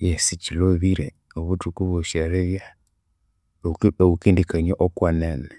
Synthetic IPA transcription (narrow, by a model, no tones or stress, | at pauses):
jɛsit͡ʃilɔβiɾɛ | ɔβutukuβɔʃaɾɛβja | ɔukindikaɲaʔɔkwananɛ